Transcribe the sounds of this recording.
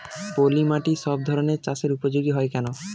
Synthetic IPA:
bolimaʈiʃɔb̚d̪ʱɔɾoneɾt͡ɕaseɾupod͡ʑoɡiɦɔekɛno

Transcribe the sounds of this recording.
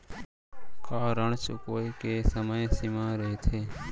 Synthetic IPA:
kaːɾəɳt͡ʃʊkoːiːkeːsəməjẽsimãːɾəɦeːt̪ʰeː

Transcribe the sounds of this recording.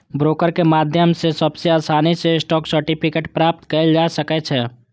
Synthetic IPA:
bɾoːkəɾkemaːd̪ʱjəmsesɐbseaːsaːniseɪsʈɔːksəɾʈipʰɪkeːʈpɾaːp̚t̪kɐd͡ʒaːsəkɛt͡ʃʰɛ

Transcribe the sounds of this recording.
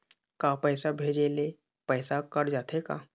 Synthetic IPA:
kaːpɛːsabʱeːd͡ʒele | pɛːsakəɾd͡ʒaːt̪eka̰ː

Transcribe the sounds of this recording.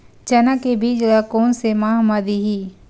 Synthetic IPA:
t͡ʃɐnakebʱiːd͡ʒlakoːnsemaːɦməd̪iɦiː

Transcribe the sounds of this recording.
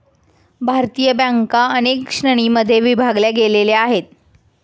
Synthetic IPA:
bʱaɾt̪ijəbaŋkaənekʂɳəɳ̃iməd̪ʱːjeʋibʱaɡljaɡeleleaɦet̪̚

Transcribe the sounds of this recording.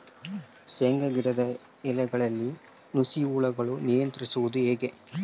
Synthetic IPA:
seŋɡɐɡiɽɐd̪ɐ | ɛlɛɡɐɭɐlːi | nusiuːɭɐɡɐɭunijɐnt̪ɾisuʋud̪ueːɡe

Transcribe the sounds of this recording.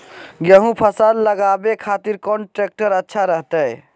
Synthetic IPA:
ɡjəɦũpʰəsalləɡabekʰat̪iɾkɔɳʈɾek̚ʈəɾətːʃʰaɾəɦt̪əj

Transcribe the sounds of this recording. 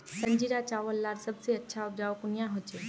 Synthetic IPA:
səɲd͡ʑiɾat͡ɕaʋəlːaɾsəbt͡seətːɕʰaup̚d͡ʑaʋkunjaɦot͡ɕe

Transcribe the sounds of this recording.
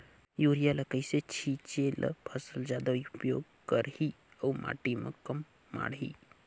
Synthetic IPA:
juːɾijaləkəjset͡ʃʰit͡ʃelʔə̰pʰəsəld͡ʒaːd̪aupjoːɡ̚ | kəɾhi | ɐwmʔa̰ːʈimə̰kɐmː | a̰ːɽɦḭː

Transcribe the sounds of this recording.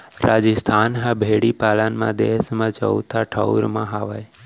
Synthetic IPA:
ɾad͡ʒist̪ʰaːnɦãbʱeɽipaːlənmã̰d̪eːsmãt͡ʃə̰ut̪ʰaʈʰəʊɾmãɦaːʋaj

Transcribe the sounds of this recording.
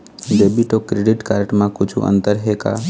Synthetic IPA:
d͡ʒeːbiʈokɾeːɖɪʈkaːɾʈmãkʊd͡ʒʱʰṵʔə̰̃nt̪əɾɦeka̰ː

